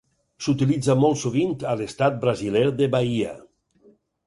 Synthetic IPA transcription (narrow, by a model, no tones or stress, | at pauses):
sut̪ilid͡zamɔlˠt̪suβint̪alest̪at̪̚bɾazilɛɾðeβaia̰